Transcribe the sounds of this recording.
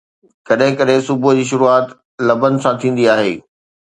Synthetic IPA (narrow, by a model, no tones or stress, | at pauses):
kɐɗɦɪ̃kɐɗɦɪ̃sʊbʱʊd͡ʑiːʃ̬ʊɾuaːt̪ | lɐbənɪ̆sãt̪ʰĩːn̆d̪iaːɦeː